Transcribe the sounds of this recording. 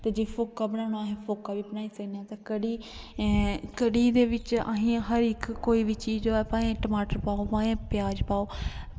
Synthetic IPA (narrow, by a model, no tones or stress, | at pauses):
t̪eːd͡ʒepʰoːkaːbənãːʊnaɦẽːpʰoːkaːʋiːbənaːiːsəkneãːt̪aːkəɽiː | kəɽiːd̪eːʋɪt͡ʃə̰ɦĩːɦəɾɪkːoːiːʋiːt͡ʃiːd͡ʒoːɛːpãːẽːʈəmaːʈəɾpaːoːpãːẽːpjaːd͡ʒpaːoː